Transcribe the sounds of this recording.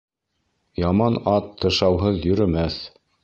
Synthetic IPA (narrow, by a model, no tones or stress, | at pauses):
jɑmɑnɑt̪ʰːɤ̆ʃɑwɦɤðjɵ̆ɾɘ̆mæθ